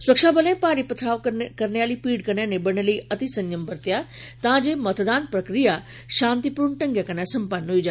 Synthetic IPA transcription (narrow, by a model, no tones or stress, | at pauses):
swɐkʃabɐlə̃pãːɾipɐt̪ʰaːʋkɐɾnjaːlipiːɖkɐnjanẽbɐɽ̃əliːɐt̪isɐ̃ɲjəmbɐɾt̪jat̪ɐʋãd͡ʑeːmɐt̪ʰd̪aːnpɾɐkɾija | ʃãːnt̪ipuːɾɳəʈɐ̃ŋɡjakɐnasɐ̃mpənɦoid͡ʑa